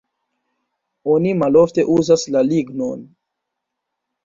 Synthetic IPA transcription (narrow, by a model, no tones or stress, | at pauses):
onimalo̞fte̞ʔuzaslaliɡno̞n